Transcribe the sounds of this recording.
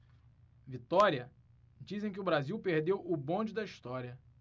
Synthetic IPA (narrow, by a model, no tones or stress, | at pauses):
vit̪ɔɾiɐ | d͡ʒizẽj̃k̬ɪʊbɾaziwpeɾd̪ewʊbõd͡ʒɪd̪ɐiʃt̪ɔɾiɐ